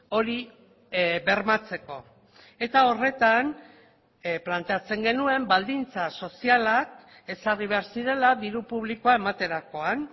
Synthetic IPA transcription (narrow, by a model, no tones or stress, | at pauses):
o̞ɾi | βe̞ɾmat͡se̞ko̞ | e̞t̪ao̞re̞t̪an | plant̪e̞at͡se̞ŋɡe̞nue̞mbald̪int͡saso̞sialak̚ | e̞sariβe̞aɾsiɾe̞laðiɾupuβ̞liko̞ae̞mat̪e̞ɾako̞an